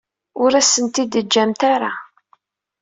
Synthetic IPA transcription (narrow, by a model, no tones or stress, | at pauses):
ʊɾæsːənt̪id̪əd͡ʒːæmt̪aɾa